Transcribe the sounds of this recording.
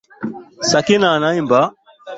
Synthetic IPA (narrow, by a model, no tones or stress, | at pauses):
sakinanãimba